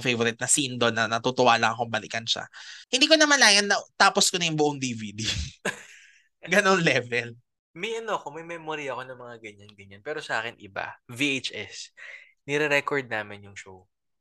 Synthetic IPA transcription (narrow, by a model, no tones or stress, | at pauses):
fejvoɾɪt̪̚nɐsind̪onɐnɐt̪ut̪ʊʔaːlɐŋɐkombɐlḭkɐnʃa̰hɪ̃nd̪iːk̬o̞nɐmɐlaːjɐnːɐt̪aːposkonɐjʊŋbʊʔoŋd̪iːviːd̪i | ɡɐno̞nlɛvɛl | mɐjʔɐnoɐkomɐjmɛːmoɾiɐko̞nɐŋmɐŋaɡɐɲːanɡɐɲːanpɛːɾosɐʔaːkɛnʔɪba̰viejt͡ʃʔɛs | nɛɾɛɾɛkoɹd̪̚naːmɪnjʊŋʃow